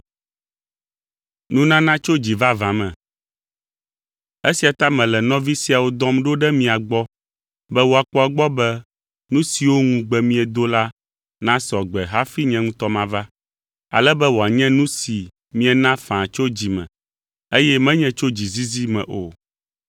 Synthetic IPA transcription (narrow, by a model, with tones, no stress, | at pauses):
nũ˦nã˦nã˦t͡ʃo˦d͡ʑi˨va˦vã˨mɛ̃˨ | e˦si˨a˨t̪a˦mɛ̃˨lɛ˨nɔ̃˦vi˦si˦a˨wo˦d̪ɔ̃˦mɖo˦ɖɛ˦mĩ˨a˨ɡ͡bɔ˦ | bɛ˦wo˨a˨k͡pɔ˦a˨ɡ͡bɔ˦bɛ˦ | nũ˦si˨wo˦ŋũ˦ɡ͡bɛ˨mĩ˦ɛ˨d̪o˦la˦ | nã˦sɔ˨ɡ͡bɛ˨ɦa˦fi˦ɲɛ̃˦ŋũ˦t̪ɔ˦mã˨va˦ | a̰˨lɛ˦bɛ˦wo˨a˨ɲɛ̃˦nũ˦si˨ | mĩ˦ɛ˨nã˦fã˨t͡ʃo˦d͡ʑi˨mɛ̰̃˨ | e˦jɛ˦mɛ̃˦ɲɛ̃˦t͡ʃo˦d͡ʑi˨zi˦zi˦mɛ̰̃˨ʔo˨